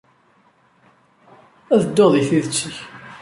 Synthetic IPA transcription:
æðəd̪ːoðˤiθiðət͡sːəç

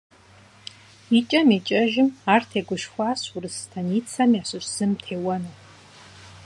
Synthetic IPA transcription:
it͡ʃʼɐmit͡ʃʼɐʒɪmaːrtʰeːɡʷʊʃxʷaːsurɨstʰɐniːt͡sʰɐmjaːɕɨɕz̥ɨmtʰeːwɐnɨw

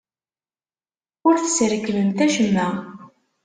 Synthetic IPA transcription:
ʊɾθə̥sɾəkːləmt̪æʃəmːæ

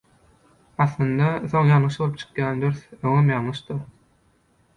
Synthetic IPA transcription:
ɑθlˠɯnd̪ɑθo̞ŋjɑlɯʃbo̞lˠupt͡ʃʰɯ̥qjɑːnd̪øɾθøŋømjɑlːɯʃd̪ɯɾ

